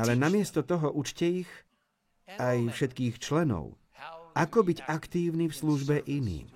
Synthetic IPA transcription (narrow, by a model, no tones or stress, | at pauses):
alɛnamɪɛst̪ɔt̪ɔɦɔʔut͡ʃcɛix | ajfʃɛt̪kiːxt͡ʃlɛnɔ̰ʊ | ʔakɔbiɟakt̪iːʊnifsluʒbɛʔinḭːm